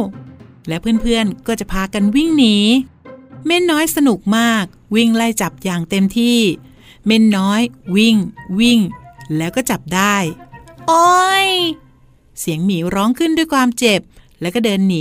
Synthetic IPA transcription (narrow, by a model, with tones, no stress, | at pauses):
lɛː˦˥wpʰɯ˥˩ənpʰɯ˥˩ənkɔː˥˩t͡ɕa˨˩pʰaː˧ka˧nwi˥˩ŋniː˨˩˦ | me˥˩nːɔː˦˥jsa˧nu˨˩k̚maː˥˩k̚wi˥˩ŋla˥˩jt͡ɕa˨˩p̚jaː˨˩ŋt̪e˧mt̪ʰiː˥˩ | me˥˩nːɔː˦˥jwi˥˩ŋwi˥˩ŋlɛː˦˥wkɔː˥˩t͡ɕa˨˩p̚daː˥˩jʔo˧˥j | si˨˩˦əŋmiː˩˦ɾɔː˦˥ŋkʰɯ˥˩ndu˥˩jkʰwaː˧mt͡ɕe˨˩p̚lɛː˦˥wkɔː˥˩dɤː˧nːiː˩˦